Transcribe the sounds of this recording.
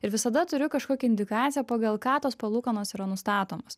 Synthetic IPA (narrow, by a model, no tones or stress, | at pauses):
ɪɾʋʲɪsɐd̪ɐt̪ʊɾʲʊkɐʃkoːkʲɛɪnd̪ʲɪkɑːt̪sʲɪjɛpoːɡɐlˠkɑːt̪oːspɐlˠuːkɐnoːsiːɾɐnʊst̪ɑːt̪oːmos